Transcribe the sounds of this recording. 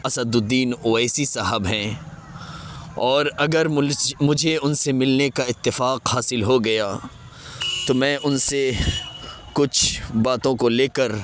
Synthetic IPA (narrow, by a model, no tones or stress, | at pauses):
ɐsəd̪ʊd̪ːiːnoːɛːsisaɦəbɦɛ̃ː | ɔːɾɐɡəɾmʊd͡ʒʱeʊnsemɪlnekaɪt̪ːɪfaːqhaːsɪlɦoɡɐja | t̪omɛ̃ːʔʊnse | kʊt͡ʃʰbaːt̪õkoleːkəɾ